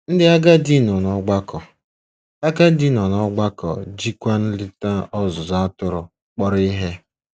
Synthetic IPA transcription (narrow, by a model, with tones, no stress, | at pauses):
n̩˦dɪ˦a˦ɡa˦di˦˨nɔ˨nɔ˦ɡ͡ba˦kɔ˨ | a˦ɡa˦di˦nɔ˨nɔ˦ɡ͡ba˦kɔ̰˨d͡ʒi˦kʷa˦n̩˦lɪ˦ta˦ɔ˦zʊ˨za˦tʊ˦ɾʊ˨ | k͡pɔ˦ɾi˦ɦe˦